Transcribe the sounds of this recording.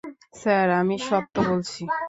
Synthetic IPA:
saɾamiʃɔb̚t̪obolt͡ɕʰi

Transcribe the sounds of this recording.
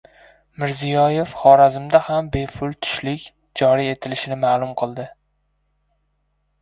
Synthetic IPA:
mɪɾzijɒje̞fχɒɾazɪmd̪ahambe̞pʰʊlˠt̪ʰʊ̥ʃlɪkʲ | d͡ʒɒɾie̞t̪ʰɪlɪʃɪnɪmaːlˠʊmqʰɨlˠd̪ɪ

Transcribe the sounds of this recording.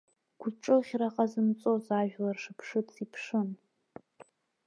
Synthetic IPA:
ɡ̥ʷʊʈ͡ʂʼɨχʲraqʼazɨmt͡sʼozaʒᶣlarʂɨpʰʂɨtʰʼipʰʂɨn

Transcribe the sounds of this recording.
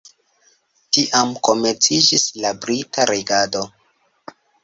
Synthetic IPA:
tiʔamko̞meɾt͡sid͡ʒislabɾitʰaɾeɡado̞

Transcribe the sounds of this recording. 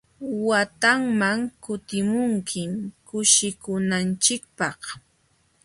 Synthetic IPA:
wat̪aŋmaŋkʊt̪ɪmʊŋkʰɪmkʊʃɪkʊnant͡ʃɪk̚pɑχ

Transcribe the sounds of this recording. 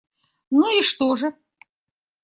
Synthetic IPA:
nuiʂt̪oʐɨ

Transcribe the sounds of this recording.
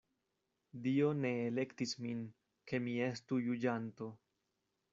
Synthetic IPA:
dio̞ne̞ːle̞ktismin | ke̞mie̞stujud͡ʒanto̞

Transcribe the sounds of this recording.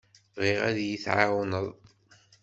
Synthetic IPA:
ʁiʁæðjiθʕawənəðˤ

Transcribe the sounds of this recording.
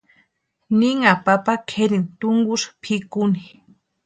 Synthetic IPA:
niŋapapakʰeɾint̪ʊŋɡʊʃpʰikuni

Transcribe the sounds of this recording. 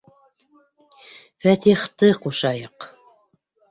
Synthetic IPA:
fæt̪iχt̪ɤquʃɑjɤq

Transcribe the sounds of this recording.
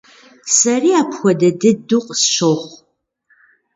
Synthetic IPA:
sɐriːaːpʰxʷɔdɐdɨduːqʼsɕowχʷ

